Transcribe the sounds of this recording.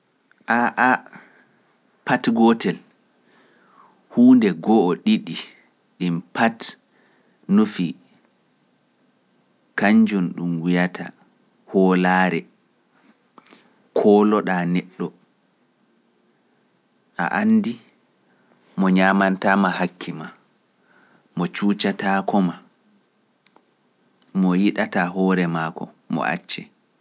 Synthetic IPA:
ʔaʔa | patɡɔtɛl | huːndɛɡɔːɗiɗi | ɗimpat | nufi | kaɲd͡ʒunɗumwijatʰa̰ | hɔːlaːɾɛ | kʰɔːlɔɗaːnɛɗːɔ | ʔa̰ʔanːdi | mɔɲaːmantaːmahakʰːima | mɔt͡ʃuːt͡ʃatakɔma | mɔjiɗataɦɔːɾɛmakɔ̰ | mɔ̰ʔa̰t͡ʃːɛ

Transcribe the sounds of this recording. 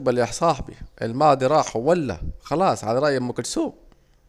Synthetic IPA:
baljaħsˤɑːħbḭʔɪlmɑːd̪iɾˤɑːħawalːa̰xɑlɑːsˤʕalaɾˤɑʔjamːʊkʊlsuːb

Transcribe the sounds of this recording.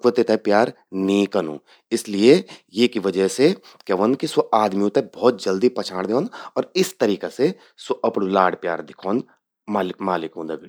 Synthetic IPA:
kʋət̪et̪ɛpjaːɾ | nĩkɐnṵ̃ː | ɪsliejekiʋɐd͡ʒəse | keʋənkisoʔaːd̪miũt̪ɛbɔːt̪̚d͡ʒɐld̪ipɐt͡ʃʰaːɽ̃d̪eõnɔːɾɪst̪ɐɾiːkese | soʔɐpɽũlaːɽpjaːɾd̪ɪkʰoːnd̪ | maːlɪkmaːlɪkũnd̪ɐɡi

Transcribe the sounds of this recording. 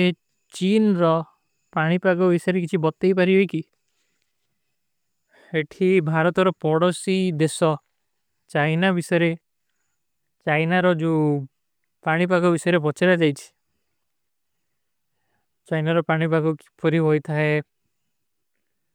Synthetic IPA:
e | t͡ʃinɾɔ | paɽ̃ipaɡɔbisɔɾek̬it͡ʃʰibɔt̪ːejpaɾiɦojki | eʈʰibʱaɾɔt̪ɔɾɔpɔɽɔsid̪esɔ | t͡ʃajnabisɔjɾe | t͡ʃajnaɾɔd͡ʒu | paɽ̃ip̬aɡɔbisɔjɾebɔt͡ʃeɾad͡ʒajt͡ʃʰi̥ | t͡ʃajnaɾɔpaɽ̃ipaɡukpʰɔɾiɦojt̪ʰae

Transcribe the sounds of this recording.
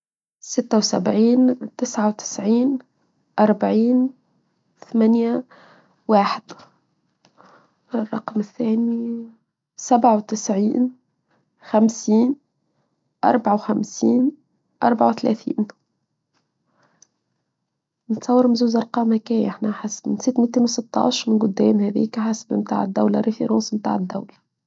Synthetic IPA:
sɪt̪ːawsa̰bʕiːnt̪ɪsʕawt̪ɪ̥sʕiːn | ʔɑɾˤbaʕiːn | θamanja | waːħɪd̪̥ | rˤːɑqmɪθːaːni | sabʕawt̪ɪsʕiːn | xamsiːn | ʔɑ̰ɾˤbʕawxæmsiːn | ʔɑɾˤbaʕawθlæ̰ːθḭːn | nɪt̪sˤɑwːɑɾmnzuːzʔɑɾˤqɑːmhækæːjʔaħnaħasmɪnsɪt̪ːmit̪ːiːnwsɪt̪ːɑ̰ːʃɾmɪnɡʊd̪ːɛːmhæðḭːkħasbimt̪a̰ːʕɪd̪ːawlaɾifiɾuːsmt̪a̰ːʕɪd̪ːa̰wla

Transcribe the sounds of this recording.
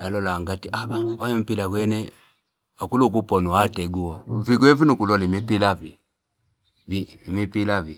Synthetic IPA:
jalɔlaŋɡatiʔaawajɛm̩pilaɡwɛnɛ | akuluk̬upɔnuatɛɡuwaviɡɛvinukulɔlimipilavi | vi | mipilavi

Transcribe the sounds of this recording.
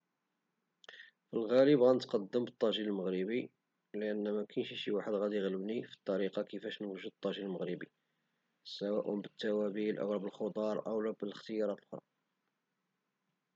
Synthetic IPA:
filɣæləbɣænət̪qɑd̪ːəmbət̪ˤːɑʒiləlməɣɾəbi | ləʔənːæmækænʃiʃiwaħəd̪ɣæd̪iəɣləbnifi̥t̪ˤːɑɾiqɑkəfæʃnwʒud̪t̪ˤːɑʒiləlməɣɾəbḭ | sæwæʔə̰bət̪ːæwæbilʔə̰wlæbəlxod̪ˤɑɾˤʔə̰wlæbələxt̪əjɑɾˤɑt̪lʔoxɾˤɑ̰

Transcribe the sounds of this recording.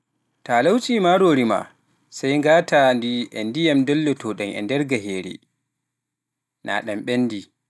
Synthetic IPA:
taːlawt͡ʃiːmaɾoːɾima̰ | sajŋɡaːtandiʔɛndijɛmdɔlːɔtɔɗɛnʔɛ̰ndɛɾɡaɦeːɾḭ | nʔa̰ɗɛmɓɛnːdi

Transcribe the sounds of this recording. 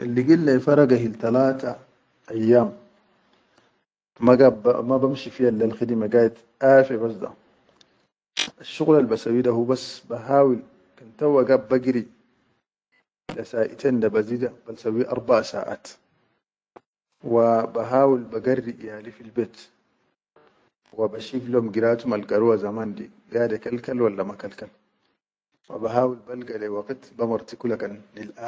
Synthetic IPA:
ʔilːiɡilːafɑɾˤɑɡahilt̪alaːt̪a | ʔːjːaːm | aɡabb̰mabamʃifihalːalxid̪imaɡaːjit̪ | ʔaːfebasd̪a̰ | aʃːuɣlalbasawːidahuːbasbaɦaːwil | kant̪awːaɡab̚ːaɡɾi | lasaːʔḭt̪endabaziːd̪abalsawːiʔɑ̰ɾˤbaʔsa̰ːʔa̰ːt̪ | wabaɦaːwilbaɡarːiʔjalifilbeːt̪ | wabaʃiflomɡiɾaːt̪umalɡaɾuwazamaːndḭ | ɡaːdekalkalwalːamakalkal | wa̰baɦaːwilbalɡalewɑqit̪bamɑɾˤt̪ikulakanːilʔaː

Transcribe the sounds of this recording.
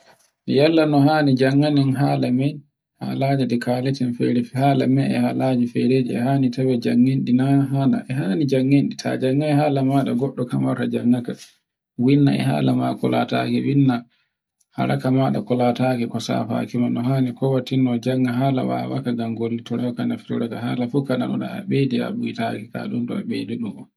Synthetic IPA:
jalːanɔhaːnid͡ʒaŋːaninɦaːlamɛj | ha̰laːd͡ʒɛdɛkaːletinfɛ̰ɾifhaːla̰mɛɛhalad͡ʒifɛɾeːd͡ʒɛɛhaːnitawɛd͡ʒaŋːinɗinaɦana̰ʔɛɦaːnid͡ʒaŋːinɗitʰa̰d͡ʒaŋːahaːlamaːɗa̰ɡɔɗːɔkamaɾtad͡ʒaŋːaka | winːaɛ̰ɦa̰lamakɔ̰la̰takɛwinːa | ha̰ɾʔakamaɗa̰kɔlataːkɛkɔsa̰fa̰kimanɔɦaːnikɔwatːinːɔd͡ʒaŋːaɦaːla̰wa̰wa̰kaɡamɡolːitɔɾaɔkanafi̥uɾatahalafukanaɗɔna̰a̰ɓedia̰ɓujitakɛka̰ɗuntɔaɓeːdiɗumɔ

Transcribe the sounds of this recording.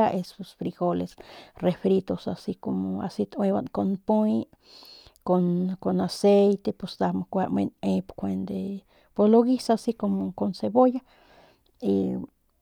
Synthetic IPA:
aʔesosfɾiɡolesrefɾit̪osa̰sikomoa̰sit̪weβankonpuj | konkonasejt̪epost̪amokʷaʔmḛnepkʷend̪e | poloɣisasikomokonseboja | i

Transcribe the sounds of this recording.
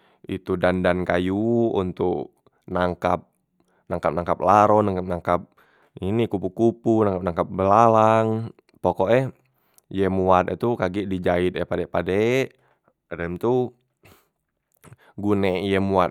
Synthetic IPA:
ḭt̪udandankajuṵnt̪uk | naŋkap̚ | naŋkap̚naŋkap̚laɾɔnaŋkap̚naŋkap̚ | inikupukupunaŋkap̚naŋkap̚bəlalaŋ | pɔkɔʔɛh | jɛmuat̪ɛt̪ukaɡiʔdid͡ʒait̪̚ɛhpadɛʔpadɛʔ | ɾɛmt̪u | ɡunɛjɛmuat̪̚

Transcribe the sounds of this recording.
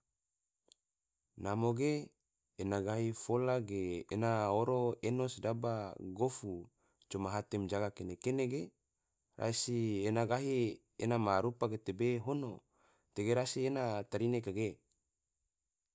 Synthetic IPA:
namoɡe | enaɡaɦifolaɡeːnaoɾoenosdabaɡofu | t͡ʃomaɦat̪ɛmd͡ʒaɡakenekeneɡe | rʔa̰sienaɡaɦi | enamaɾupaɡet̪ebeɦono̰ | t̪eɡeɾasienat̪aɾinekaɡe

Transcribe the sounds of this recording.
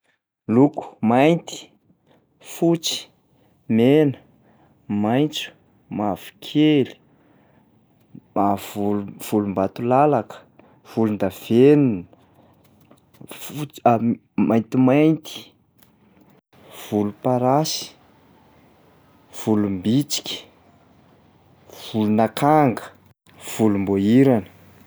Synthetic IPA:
luku̥majnt̪i̥ | fut͡si̥ | menə | majnt͡su̥ | mavu̥kʰeli̥ | mavuluv̥ulumbat̪ulalakə̥ | v̥ulund̪av̥enun | a | mʔajnt̪imajnt̪i̥ | v̥ulupaɾasi̥ | v̥ulumbit͡si̥kʲi̥ | v̥ulunakʰaŋɡə̥ | v̥ulumboiɾanə̥

